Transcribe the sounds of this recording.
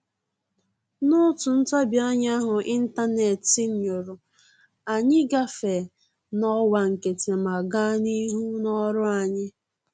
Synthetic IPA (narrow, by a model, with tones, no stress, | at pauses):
nʊ˦tʊ˨n̩˦ta˦bja˦ɲ˦a˦ɦʊ˨ʔi˦n̩˦ta˦ne˨ti˦ɲ̩˨ɲo˨ɾʊ˨ | a˨ɲɪ˦ɡa˦fe˨ | nɔ˦wa˨ŋ̩˨ke˨tʰe˨ma˨ɡa˦ni˦ɦu˦nɔ˦ɾʊ˦a˨ɲɪ˦